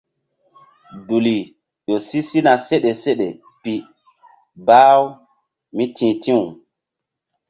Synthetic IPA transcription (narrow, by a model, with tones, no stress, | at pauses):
du˨li˨ | jo˨si˦si˦na˨se˦ɗe˨se˦ɗe˨ | pi˨ | baː˦w | mi˦tĩ˨tĩ˦u˨